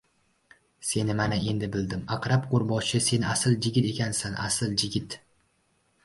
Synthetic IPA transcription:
se̞nɪmanae̞nd̪ɪbɪld̪ɪmaqɾapqʰoɾbɒʃɪse̞nasɪlˠd͡ʒɪɡʲɪt̪e̞kʲʰansanʔa̰sɪlˠd͡ʒɪɡʲɪt̪

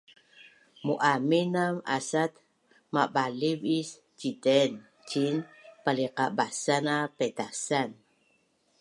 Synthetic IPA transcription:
muʔaminama̰sat̪ | mabalivis | t͡ʃidɛn | t͡ʃinpaliqabasanapet̪asan

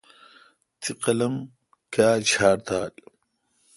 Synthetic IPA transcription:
t͡s̪iqɐlɐm | kaːt͡ɕʰaːɾt̪aːl

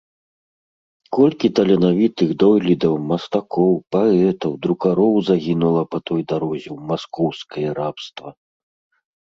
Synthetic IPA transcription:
kɔlʲkʲit̪ɐlʲɛnavʲit̪ɨɣd̪ɔjlʲid̪ɐwmɐst̪akɔwpaɛt̪ɐwd̪ɾukaɾɔwzaɣʲinulˠɐpɐt̪ɔjd̪aɾɔzʲɛwmaskɔwskɐjɐɾapst̪vɐ

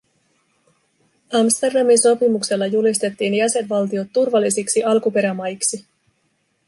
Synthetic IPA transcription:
ɑmst̪e̞rdɑminso̞pimukse̞lːɑjulist̪e̞t̪ːiːnjæse̞nʋɑlt̪io̞t̪ːurʋɑlːisiksiɑlkupe̞ɾæmɑjksi

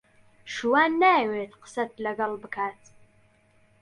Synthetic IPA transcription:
ʃuwaːnːæweːtʰqə̥sɐt̪̚ʰlɐɡɐlbɨkʰaːtʰ

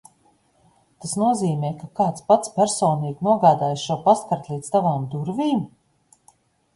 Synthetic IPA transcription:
t̪asnuɔziːmʲɛːkakaːt̪spat̪spʲæɾsɔːniɡnuɔɡaːd̪aːjisʃuɔpaskaɾt̪lˠiːd̪st̪avaːmd̪uɾviːm

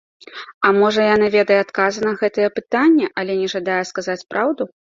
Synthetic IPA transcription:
ɐmɔʐɐjanɨvʲɛd̪ɐjɛat̪kazɨnɐɣɛt̪ɐjɛpɨt̪anʲːɛʔɐlʲɛnʲɛʐad̪ajɛskazat͡sʲpɾʔawd̪u

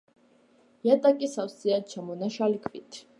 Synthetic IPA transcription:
jat̪ʼakʼisawsiat͡ʃʰamɔnaʃalikʰvit̪ʰ

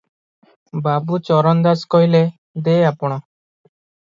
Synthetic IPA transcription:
babut͡ʃɔɾɔnd̪askɔɦile | d̪eeapɔɽ̃ɔ

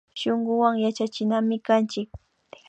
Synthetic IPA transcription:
ʃoɴɢʊwaŋjat͡ʃat͡ʃɪnamɪkant͡ʃɪk̚

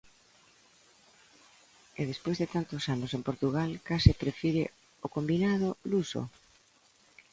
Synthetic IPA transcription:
eðespwojzðet̪ant̪osanosempoɾt̪uɣalkasɪpɾefiɾe | okombinað̞oluso̰

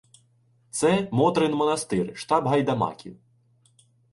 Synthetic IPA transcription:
t̪sɛmɔt̪ɾɪnmɔnɐst̪ɪrʃt̪ɑbɦɐjd̪ɐmɑ̰kʲḭw

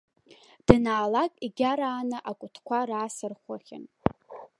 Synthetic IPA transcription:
d̥naːlakʼiɡʲaɾaːnɨʔakʷʼʊtʰkʷʰaɾaːsɨrχʷaχʲɪ̰n

